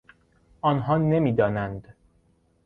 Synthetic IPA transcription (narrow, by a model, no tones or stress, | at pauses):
ʔɒːnɦɒːne̞miːd̪ɒːnænd̪